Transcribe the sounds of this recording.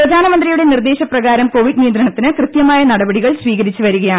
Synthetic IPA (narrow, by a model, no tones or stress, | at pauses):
prɐd̪ʱaːnɐmɐnd̪rijuɽe̞nird̪e̞ːɕɐprɐɣaːɾɐmko̞ːʋiɖnijɐnd̪ɾɐɳɐt̪ːinɨkrɨt̪jɐmaːjɐnɐɽɐbɐɽiɣɐɭsʋiːɣɐɾit͡ɕːɨʋɐɾuɣɐjaːɳ